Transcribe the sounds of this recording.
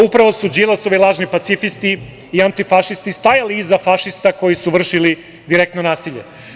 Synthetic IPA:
upɾaʋosud͡ʒilˠasoʋilˠaːʒnipat̪sifist̪i | iant̪ifaʃist̪ist̪ajaliizafaʃist̪ako̞jisuʋr̩ʃili | d̪iɾek̚t̪nonaːsiʎḛ

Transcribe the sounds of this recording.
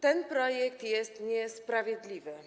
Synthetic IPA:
t̪ɛnpɾɔjɛkt̪jɛst̪ɲɛspɾavʲjɛd̪lʲivɘ

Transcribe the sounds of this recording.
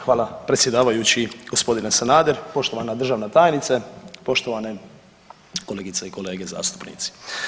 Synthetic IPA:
xʋaːlˠapɾet̪sjed̪aːʋajut͡ɕiɡ̥o̞spo̞d̪inesanaːd̪eɾpo̞ʃt̪o̞ʋanad̪r̩ʒaːʋnat̪aːjnit̪sepo̞ʃt̪o̞ʋane | koleːɡit̪seiko̞le̞ːɡeza̰ːst̪u̥pnḭːt̪si̥

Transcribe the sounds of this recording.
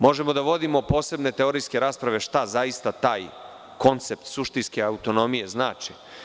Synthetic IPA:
mo̞ʒe̞mo̞d̪aʋo̞d̪imo̞po̞ːse̞bne̞t̪e̞o̞ɾijske̞ɾaːspɾaʋe̞ʃt̪azaist̪at̪aːj | ko̞nt̪se̞pt̪suʃt̪inske̞aut̪o̞no̞mije̞zna̰ːt͡ʃi̥

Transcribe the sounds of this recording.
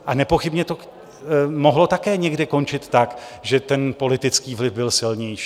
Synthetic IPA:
ʔanɛpo̞xɪbɲɛt̪o̞ | moɦlo̞t̪akɛːɲɛɡdɪko̞nt͡ʃɪt̪ːakʒɛt̪ɛnpo̞lɪt̪ɪt͡skiːvlɪvbɪlsɪlɲɛjʃi̥ː

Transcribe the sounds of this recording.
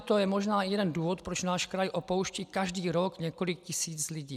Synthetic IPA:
t̪ojɛmoʒnaːjɛdɛnduːvot̪pɾot͡ʃnaːʃkɾajʔopowʃciːkaʒdiːɾokɲɛko̞lɪk̚cɪsiːt͡slɪɟiː

